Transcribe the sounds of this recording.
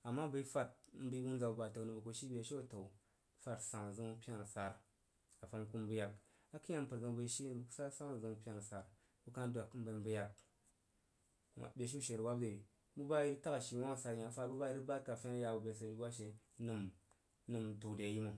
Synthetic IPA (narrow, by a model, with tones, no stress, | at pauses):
a˨mːa˦bə˨˦fa˦t̚m̩˦bi˦bu˦nza˨u˨ba˨to˨nɨ˨bu˨ko˨ʃi˦be˨˦ʃi˦o˦˨to˨u˨˦ | fa˦tsa˨ŋ˨zɨ˦ŋ˦pi˦a˦n˨sa˨ɾ | ka˨fa˧˦m˦ku˦mbə˦ja˨k | a˦ki˦a˦m˦pə˨ɾzə˨ŋbə˨˦ʃi˦n˨bu˨ksa˦sa˦n˨zə˨ŋ˨pʲa˨n˨sa˨ɾ | bu˦ka˦n˦dʷa˨km̩˦bə˧mbɨ˦ja˨k̚ | a̰˨bʲe˨ʃ̬i˦ʃe˨ɾwa˦bde˨ | bu˦ba˦i˦ta˦ka˨ʃi˨wa˦ŋ˨sa˨ɾja˨˦fa˦tbu˦ba˦i˦ɾi˦ba˦t̚ka˨fʲe˦n˦ja˨u˨be˨s̬ə˨i˦wa˦ʃe˨˦ | nɨ˨m˦ | nɨ˨mtu˨kde˨ji˦mu˨